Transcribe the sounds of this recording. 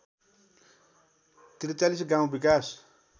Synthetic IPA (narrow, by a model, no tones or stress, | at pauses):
t̪iɾt͡salisɡãw̃bikas